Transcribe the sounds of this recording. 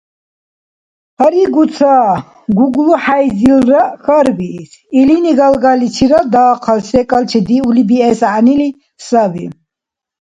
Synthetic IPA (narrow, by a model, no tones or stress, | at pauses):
haɾiɡusʰaː | ɡuɡlɔħajzilɾaxaɾbiːsiliniɡalɡalit͡ʃʰiɾad̪aːqʰalsɛkʼalt͡ʃʰɛd̪iulibiɛsʕanili | sabḭ